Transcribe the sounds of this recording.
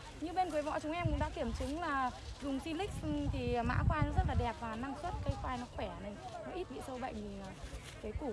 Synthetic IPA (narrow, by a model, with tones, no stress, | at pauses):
ɲɨ˧ɓe˧nkːjvɔ̰˧˨t͡ɕʊ˨˦ŋ͡mʔɛ˧mkʊ̰˧˥ŋɗa̰ː˧˥ki˧˩əmt͡ɕɨ˨˦ŋlaː˨˩zʊ˨˩ŋ͡msi˧lï˦˥k̟̚t̪ʰi˨˩˨ma̰ː˧˥kwaː˧jnɔ˨˦zə˦˥t̚laː˨˩ɗɛ˨˩p̚vaː˨˩na˧ŋswə˦˥t̚kə˧jxwaː˧jnɔ˨˦xwɛ˧˩˨na˨˩nɔ˨˦ʔi˦˥t̚ɓḭ˧˨sə˧wɓə̰˧˨jiː˨˩˨ | kəː˨˦jku˧˩